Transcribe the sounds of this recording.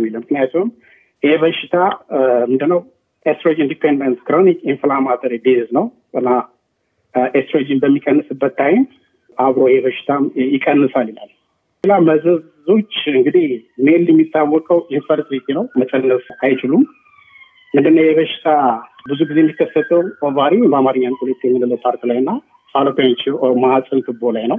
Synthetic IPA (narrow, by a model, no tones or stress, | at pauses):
mːiləmːɨknijat̪ʰuwn | jeβəʃɪt̪ʰamɨnd̪ɨnːəw | ʔest̪ɾod͡ʒind̪ipʰendənt̪kɾonikinflamat̪ʰəɾid̪eznəw | ɨnːa | ʔest̪ɾod͡ʒinbəmːikʼənːɨsɨbːət̪ʰːajɪn | ʔaβɾo̞jheβəʃɪ̥t̪ʰajɪkʼənːɨsaljila̰l | sɨlaməzəz | o̞t͡ʃːɨŋɡɨd̪imeljɛmːit̪ʰːawːɔkʼəwʔinfəɾt̪ɾit̪ʰinəwmət͡ʃʼənːəsajt͡ʃɪlum | mɨnd̪ɨnːəwjɛβəʃɪ̥t̪ʰabɨzuɡizejɛmːikʰːəsət̪ʰʼəwovaɾibəamaɾɨɲːankulət̪ʰʼːjɛmːɨnɨləpʰaɾt̪ilajɨnːa | salopjat͡ʃːmaasʼɨnt̪ʰɨbolajnəw